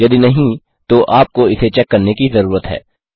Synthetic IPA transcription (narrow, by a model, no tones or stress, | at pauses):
jɐd̪inɐɦĩ | t̪oʔaːp̚koɪset͡ʃɛkːɐɾnekizɐɾuːɾət̪ɦɛ̰ː